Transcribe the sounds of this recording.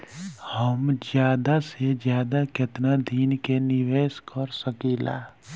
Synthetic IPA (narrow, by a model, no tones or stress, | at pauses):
həmd͡ʒjaːd̪ased͡ʒjaːd̪akɪt̪nad̪ʱiːnkenɪʋeːskəɾsəkila̰ː